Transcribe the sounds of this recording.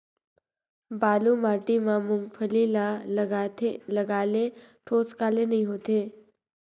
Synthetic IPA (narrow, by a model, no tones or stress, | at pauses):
balumaʈimamuŋɡfʰəlilat̪eləɡaleʈʰot͡skalenəɦĩɦot̪e